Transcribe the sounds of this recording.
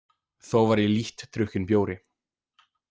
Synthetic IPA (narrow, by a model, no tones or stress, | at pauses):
θowvaɾiliht̪ːɾʏhcʏnpjoːwɾɪ